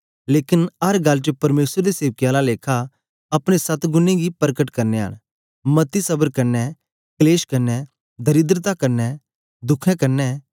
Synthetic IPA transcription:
leːkɪnɐɾɡɐlːt͡ʃəpɐɾmeːsɾd̪iseːʋəkjalaleːkʰa | ɐpɽ̃esɐt̪ɡʊnẽɡipɐɾkəʈkɐɾneɦə̰ɽ̃ | mɐt̪isɐbəɾkɐɾnɛ | kleːʃkɐɾnɛ | d̪ʱɐɾɪd̪ɾət̪akɐɾnɛ | d̪ʊkʰɛ̃kɐɾnɛ

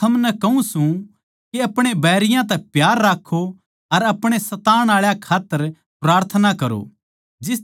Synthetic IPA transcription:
ɐmnɛkɐũsũ | kiɐpɽ̃ebɛːɾɪjãt̪̬ɛpjaːɾːaːkʰːo | ɐɾɐpɽ̃esɐt̪aːɽ̃aːɭjakʰaːt̪ːəɾ | pɾaːɾt̪ʰənakɐɾo̰ | d͡ʒɪs

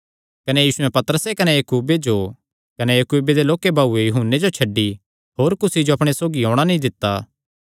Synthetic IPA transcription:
kɐnejiːsʊɛ̃pɐt̪əɾəsekɐnejɐkuːbed͡ʒo | kɐnejɐkuːbed̪eloːkebʱaːuejʊɦunːed͡ʒot͡ʃʰɐɖːi | ɦoːɾkʊsid͡ʒoɐpɽ̃esoːɡiɦõːɽ̃anɐɦĩd̪ɪt̪ːaː

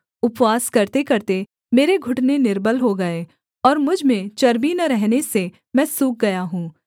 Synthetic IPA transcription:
ʊpwaːskɐɾt̪ekɐɾt̪e | meːɾeɡʱʊʈnenɪɾbəlɦoɡɐeː | ɔːɾmʊd͡ʒʱmẽt͡ʃɐɾbinɐɾɛɦnese | mɛ̃ːsuːk̚ɡɐjaɦũː

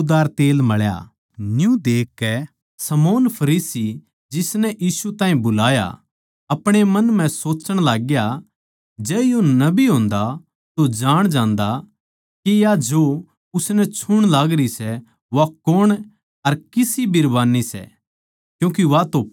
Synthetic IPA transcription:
d̪aːɾt̪eːlmɐɭja̰ | njũd̪eːkːɛ | sɐmoːnpʰɐɾiːsi | d͡ʒɪsnɛʔiːsut̪aːɦĩbʊlaːja̰ | ɐpɽ̃emɐnm̤ɛ̃soːt͡ʃəɽ̃laːɡja | d͡ʒɛːjonɐbiɦõːnd̪a | t̪od͡ʒaːɽ̃d͡ʒãːnd̪a | kijad͡ʒo | ʊsnɛt͡ʃʰʊɽ̃laːɡɾisɛ | ʋakoɽ̃ | ɐɾkɪsibɪɾbaːnisɛ̰ | kjũːk̬iʋat̪o

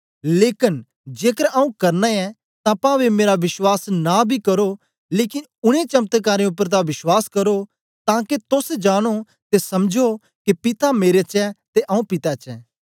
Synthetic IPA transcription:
leːkɪn | d͡ʒeːkəɾaːũkɐɾnaɛ | t̪ãpãʋemeːɾaʋɪʃwaːsnabʱikɐɾo | leːkɪn | ʊɽ̃ẽt͡ʃɐmt̪kaːɾẽʊp̬ːəɾt̪̬ãʋɪʃwaːskɐɾo | t̪ãːket̪ʊsd͡ʒaːɽ̃o | t̪esɐmd͡ʒʱo | kepɪt̪ameːɾet͡ʃɛt̪eʔaːũpɪt̪at͡ʃɛ̰ː

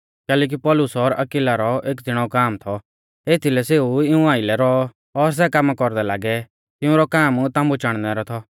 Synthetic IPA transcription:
kɛːlɛːk̬ipɔlʊsɔɾɐkɪlaɾɔeːkd͡z̪ɪɽ̃ɔkaːmt̪ʰɔ | eːt̪ʰilɛseːuɪũaːɪlɛɾɔ | ɔɾs̬ɛkamːakɔɾd̪ɛlaːɡɛ | t̪ɪũɾɔkaːmt̪ãːmbut͡ʃaɽ̃nɛɾɔt̪ʰɔ

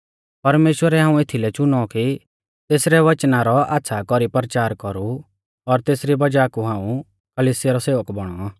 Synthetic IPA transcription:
pɐɾmeːʃwəɾɛɦãːũet̪ʰilɛt͡ʃʊnɔki | t̪eːsɾɛʋɐt͡ʃnaɾɔa̰ːt̪sʰakɔɾipɾət͡ʃaːɾkɔɾu | ɔɾt̪eːsɾibɐd͡ʒaːkuɦãːũ | kɐliːsɪjaɾɔseːʋəkbɔɽ̃ɔaː

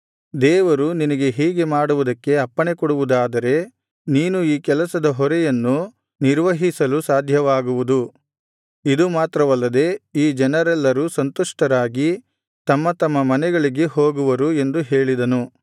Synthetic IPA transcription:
d̪ɛːʋɐɾuninɐɡe̞ɦiːɡe̞maːɽuʋud̪ɐkːe̞ɐpːɐɳekɔɽuʋud̪aːd̪ɐɾe̞ | niːnuiːkɛlɐsɐd̪ɐɦɔɾɛjɐnːu | niɾʋɐɦisɐlusaːd̪ʱjɐʋaːɡuʋud̪u | id̪umaːt̪ɾɐʋɐlːɐd̪e̞iːd͡ʒɛnɐɾɛlːɐɾusɐnt̪ɔʂʈɐɾaːɡi | t̪ɐmːɐt̪ɐmːɐmɐnɛɡɐɭiɡeho̞ːɡuʋɐɾue̞nd̪uɦe̞ːɭid̪ɐnu

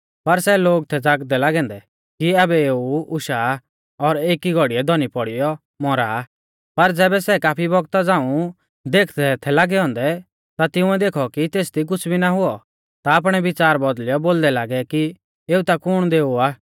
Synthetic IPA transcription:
pɐɾsɛloːɡt̪ʰɛd͡zaːɡd̪ɛlaːɡɛ̃ːnd̪ɛ | kiaːbɛeːuʊʃaː | ɔɾeːkiɡʱɔɽiɛd̪ʱɔnipɔɽɪjɔ | mɔɾaː | pɐɾd͡zɛːbɛsɛkaːpʰibɔɡt̪ad͡zãːũ | d̪eːkʰt̪ʰɛt̪ʰɛlaːɡɛɦɔ̃ːnd̪ɛ | t̪at̪ɪʊ̃ɛd̪eːkʰɔkit̪eːsd̪ik̬ʊt͡sʰbʱinaɦʊɔ | t̪aːp̬ɽ̃ɛʋɪt͡saːɾbɔd̪lɪjɔboːld̪ɛlaːɡɛki | eːut̪akʊɽ̃d̪eːuaː

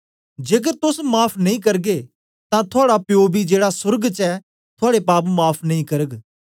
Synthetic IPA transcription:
d͡ʒeːk̬əɾt̪ʊsmaːpʰnɐĩkɐɾɡe | t̪ãt̪ʰʊaːɽapɪjoːbid͡ʒeːɽasʊɾɡt͡ʃɛː | t̪ʰʊaːɽepaːpmaːpʰnɐĩkɐɾəɡ

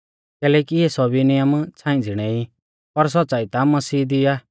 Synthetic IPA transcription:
kɛːlɛːkiɛsɔbinɪjəmt͡sʰãːĩd͡zɪɽ̃ɛi | pɐɾs̬ɔt̪ːsaːit̪amɐsiːd̪ɪjaː

